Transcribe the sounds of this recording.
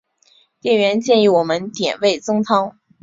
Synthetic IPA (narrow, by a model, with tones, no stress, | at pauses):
t̪jɛ˥˩nɥɛ˧˥nt͡ɕjɛ˥˧ni˥˩wɔ˨˩mə˦nt̪jɛ̰˨˩nwe˥˩ɪt͡sɤ˥ŋt͡s̪ʰɑ˥ŋ